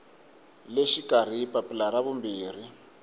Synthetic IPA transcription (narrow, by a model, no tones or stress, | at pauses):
leʃikar̤ipapilaɾaβumbiːr̤i